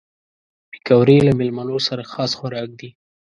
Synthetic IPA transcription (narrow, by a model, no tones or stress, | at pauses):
bikawɾelamɪlmanosaɾaxɑsxaɾɑk̚d̪i